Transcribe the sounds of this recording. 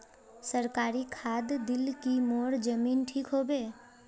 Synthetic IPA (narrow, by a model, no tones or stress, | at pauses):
səɾkaːɾikʰaːd̪d̪ɪlkimoːɽd͡ʒəmiːnʈʰiːkɦoːbeː